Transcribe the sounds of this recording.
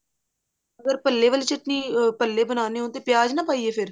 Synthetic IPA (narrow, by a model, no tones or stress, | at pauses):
əɡəɾpəlːeːʋəliːt͡ʃəʈniːpəlːeːbənaːneːɦõːt̪eːpɪjaːd͡ʒnãːpaːiːeːpʰɪɾ